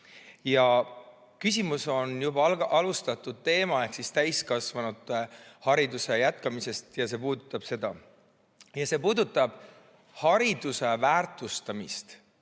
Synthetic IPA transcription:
jɑ | kys̬ʲimuso̞njub̥ɑlʔɑlust̪ɑt̪ːˑud̪̥̚t̪e̞ːmɑe̞hksist̪æjskɑsvɑnud̪̥hɑɾid̪use̞jæt̪kɑmise̞st̪jɑse̞puːd̪ut̪ːˑɑb̥se̞d̪̥ɑ | jɑse̞puːd̪ut̪ːˑɑb̥ | hɑɾid̪̥use̞væːrt̪ˑust̪ɑmḭst̪

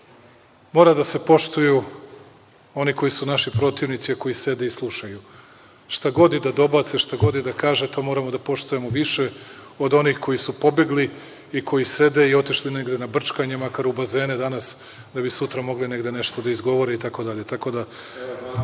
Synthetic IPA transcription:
mo̞ːɾad̪ase̞po̞ʃt̪uju | o̞niko̞jisunaʃipɾo̞t̪iʋnit̪siako̞ise̞d̪e̞islˠuʃaju | ʃt̪aɡo̞d̪id̪ad̪o̞bat̪seʃt̪aɡo̞d̪id̪akaːʒet̪o̞mo̞ɾamo̞d̪apo̞ʃt̪uje̞mo̞ʋiʃe̞ | o̞d̪o̞nixko̞jisupo̞beɡli | ikʰo̞jise̞d̪e̞io̞t̪iʃline̞ɡd̪e̞nabr̩t͡ʃkaɲemakaɾubaze̞ːned̪anas | d̪abisut̪ɾamo̞ɡline̞ɡd̪e̞ne̞ʃt̪od̪aizɡo̞ʋo̞ɾeit̪ako̞d̪aʎe̞t̪ako̞d̪a

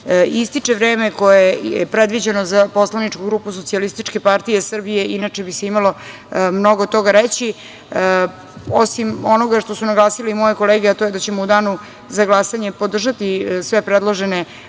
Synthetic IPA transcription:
ist̪it͡ʂe̞ʋɾeːme̞ko̞jejepɾed̪ʋid͡ʑenozapo̞slanit͡ʂkuɡɾuːpus̬o̞t̪sialist̪it͡ʃke̞paɾt̪ije̞sr̩bije̞inat͡ʂebise̞imalo̞ | mno̞ɡot̪o̞ɡaɾet͡ɕi | osimo̞no̞ɡaʃt̪o̞sunaɡlˠaːsiliimo̞jeko̞leːɡeat̪ojed̪at͡ɕe̞moud̪aːnu | zaɡlˠasaɲe̞po̞d̪r̩ʒat̪isʋe̞pɾed̪lˠoʒene

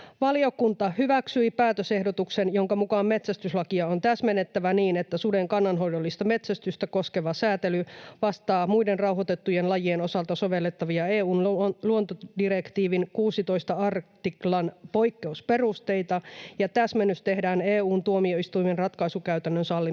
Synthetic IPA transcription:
ʋɑliokunt̪ɑhyʋæksyipæːt̪øse̞hdot̪uksenjoŋkɑmukɑmme̞t̪sæst̪yslɑkiɑont̪æsmenet̪ːæʋæniːnet̪ːæsudeŋkɑnːɑnɦoidolːist̪ɑme̞t̪sæst̪yst̪æko̞skeʋɑsæːt̪elyʋɑst̪ɑːmuidenrɑuhot̪et̪ːujenlɑjieno̞sɑlt̪ɑso̞ʋe̞lːet̪ːɑʋiɑeːuːnluont̪odirekt̪iːʋinkuːsit̪o̞ist̪ɑɑrt̪iklɑnpo̞ikːeusperust̪e̞it̪ɑjɑt̪æsmenːyst̪e̞hdæːneːuːnt̪uomio̞ist̪uimenrɑt̪kɑisukæyt̪ænːønsɑlːi

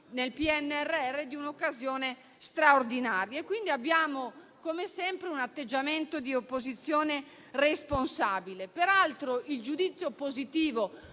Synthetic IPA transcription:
nelpiɛnːɛrːeɛrːed̪iunokːazjɔːne | st̪ɾaord̪inaːɾjaekwind̪iabːjaːmo | komesɛmpɾeunat̪ːed͡ʒːament̪od̪iopːozit̪sːjɔːne | responsaːbilepeɾalt̪ɾoild͡ʒud̪it̪sːjopozit̪iːvo

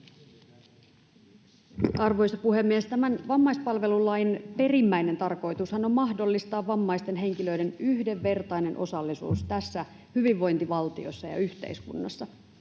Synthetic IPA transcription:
ɑrʋo̞jsɑpuhe̞mːiest̪æmænʋɑmːɑjspɑlʋe̞lulːɑjnpe̞rimːæjne̞nt̪ɑrko̞jt̪ushɑno̞mːɑhdo̞lːist̪ɑːʋːɑmːɑjst̪e̞nɦe̞ŋkilø̞ide̞nyhde̞ʋːe̞rt̪ɑjne̞nʔo̞̰sɑlːisṵːst̪æsːæ | hyʋiʋːo̞jnt̪iʋɑlt̪io̞̰sːɑjɑ̰yçt̪e̞̰ijskṵnːɑsːɑ

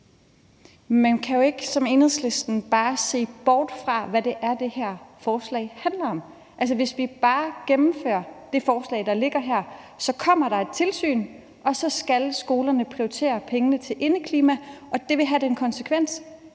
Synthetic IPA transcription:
mænkʰæjo̝e̝ɡ̥sɒ̽me̝nheð̰ˠsle̝sd̥n̩b̥ɑ̈ːse̝̰ːb̥ɒːd̥fʁɑ̈ʋæde̝ʔæɐd̥e̝hæɐ̰fɒːslɛ̰ɪhænlɐɒ̽m̰ | ʔæls̬ɐʋe̝sʋib̥ɑ̈ːɡ̥emm̩fø̰ːɐd̥e̝fɒːslɛ̰ɪd̥ɑ̈le̝ɡ̥ɐɦæɐ̰ | sɒ̽kʰɒ̽m̰ɐɾ̥ɑ̈e̝d̥̚t͡sʰe̝lsy̰ːn | ʔɒ̽sɒ̽sɡ̥ælsɡ̥o̝ːlɐnəpʰʁiot͡sʰe̝̰ːɐpʰeŋənət͡sʰe̝lʔe̝nəkʰliːmæʔɒ̽d̥e̝ʋe̝ɦæd̥enkʰɒ̽nsə̥kʰʋen̰s

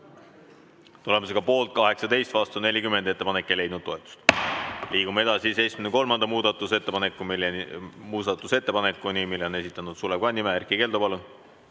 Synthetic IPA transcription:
t̪ule̞mos̬eɡ̥ɑpo̞ːlt̪̚kɑɦe̞ksɑt̪e̞jst̪vɑst̪une̞lʲikymend̪e̞t̪ːe̞pɑnekːˑejle̞jd̪nud̪̚oet̪ːˑu̥st̪liːɡ̥umee̞d̪ɑsise̞jsminko̞lmɑnd̪̥ɑmuːd̪ɑt̪ːˑuse̞t̪ːepɑnekːˑum | muːsɑt̪ːˑuse̞t̪ːe̞pɑnekːˑunimilːeo̞ne̞sit̪ːˑɑnud̪̥suleb̥̚kɑnʲːimeerkike̞ld̪opɑlun

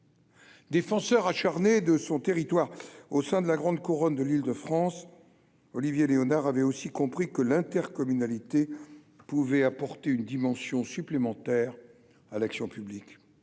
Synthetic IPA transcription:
d̪efɑ̃sœʁaʃaʁned̪əsɔ̃t̪eʁit̪waːʁosɛ̃d̪əlaɡʁɑ̃d̪kuʁɔnd̪əlild̪əfχɑ̃s | ɔlivjeleɔnaʁavɛosikɔ̃pχikəlɛ̃t̪ɛʁkɔmynalit̪e | puvɛapɔʁt̪eynd̪imɑ̃sjɔ̃syplemɑ̃t̪ɛʁ | alaksjɔ̃pyblik

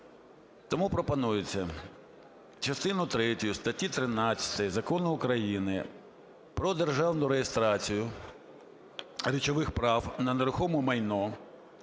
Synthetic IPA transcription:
t̪ɔmupɾɔpɐnujɪt͡sʲːɐ | t͡ʃɐst̪ɪnʊt̪ɾɛtʲʊjʊst̪ɐtʲit̪ɾɪnɑt͡sʲːɐ̥t̪ɐjzɐkɔnʊːkɾɐjinɪ | pɾɔd̪erʒɑwnʊɾejest̪ɾɑt͡sʲijʊ | ɾʲit͡ʃɔʋɪxpɾɑwnɐneɾʊxɔmɔmɐjnɔ

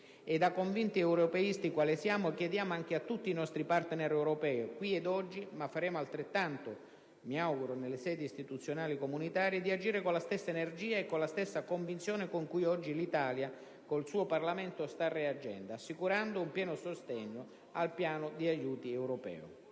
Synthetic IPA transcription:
ed̪akːoɱvint̪iɛwɾopɛist̪ikwaːlisjaːmʊk̟jɛd̪jaːmoaŋk̟eat̪ːut̪ːiːnɔst̪ɾipart̪nɛɾɛwɾopɛːkwiɛd̪ɔd͡ʒːimafːaɾɛːmoalt̪ɾet̪ːant̪o | miawɡuɾonelːɪsɛːd̪ist̪it̪ut̪sːjonaːlikomunit̪aːɾijed̪iad͡ʒiːɾekonlast̪ɛsːaenerd͡ʒiːaekːonlast̪ɛsːakoɱvint̪sjoːnekoŋkujɔd͡ʒːilit̪aːlja | kolsuːoparlamɛnt̪ʊst̪arːead͡ʒɛ̰nd̪oasːikuɾand̪oumpjɛːnosost̪ɛɲːo | alpjaːnʊd̪iajuːt̪iɛwɾopɛ̰ːo̰

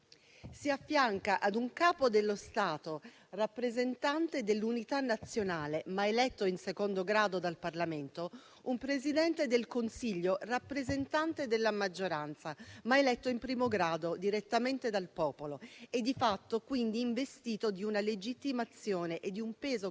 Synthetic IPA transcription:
siafːjaŋkaʔad̪uŋkaːpod̪elːost̪aːt̪o | rapːɾezent̪ant̪ed̪elːunit̪anːat̪sːjonaːlemaelɛt̪ːoinsekond̪oɡɾaːd̪od̪alparlament̪o | umpɾezid̪ɛnt̪ed̪elkonsiʎːorapːɾezent̪ant̪ed̪elːamad͡ʒːoɾant̪samaelɛt̪ːoimpɾiːmoɡɾaːd̪od̪iɾet̪ːament̪ed̪alpɔːpoloed̪ːifat̪ːokwind̪iːɱvest̪iːt̪od̪iunaled͡ʒit̪ːimat̪sːjoːneʔed̪ːiumpɛːzo

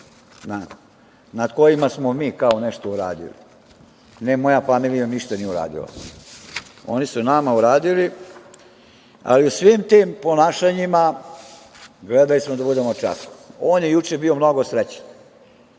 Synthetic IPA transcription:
na | nad̪ko̞jimasmomiːkaoneʃt̪ouɾa̰ːd̪ḭlḭ | nɛmo̞jafamilijamniʃt̪anijeuɾa̰ːd̪ḭla̰ | o̞̰nisunamauɾaːd̪ili | a̰liusʋimt̪iːmpo̞naːʃaɲima | ɡled̪alismod̪abud̪emot͡ʂa̰su̥oːnjejut͡ʃebio̞mno̞ɡo̞sɾet͡ɕe̥n

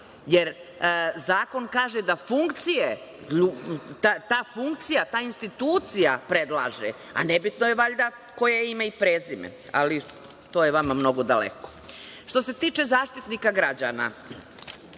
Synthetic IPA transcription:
jeɾ | zaːko̞nkaːʒed̪afuŋkt̪sijeʎut̪at̪aːfuŋkt̪sijat̪aːinst̪it̪uːt̪sijapɾed̪lˠa̰ːʒḛ | a̰nebit̪nojeʋaʎd̪a | ko̞jaimaipɾeːzimḛ | a̰li | t̪ojeʋamamno̞ɡo̞d̪alḛko̥ | ʃt̪o̞se̞t̪iːt͡ʃe̞zaːʃt̪it̪nikaɡɾad͡ʑana̰

